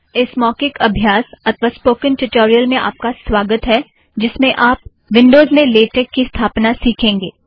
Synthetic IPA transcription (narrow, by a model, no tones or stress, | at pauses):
ɪsmɔːkɪkɐbʱjaːsɐt̪ʰʋaːspoːkɪ̃nʈʊʈoːɾijəlmẽʔa̰ːp̚kasʋaːɡət̪ɦɛ | d͡ʒɪsmẽʔaːp̚ | ʋɪ̃ɳɖoːzmẽleːʈeːkːist̪ʰaːpnasiːkʰẽːŋɡeː